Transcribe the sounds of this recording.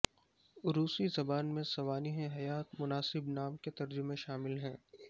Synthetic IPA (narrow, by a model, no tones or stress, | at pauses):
ɾuːsizɐbaːnmẽsɐʋaːniɦẽɦɐjaːt̪mʊnaːsɪbnaːmket̪ɐɾd͡ʒʊmẽʃaːmɪlɦɛ̃ː